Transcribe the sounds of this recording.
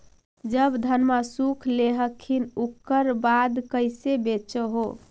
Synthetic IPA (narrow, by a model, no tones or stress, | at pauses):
d͡ʒəbd̪ʱənmasukʰleɦəkʰːinukːəɾbad̪kəɪsebet͡ʃəɦo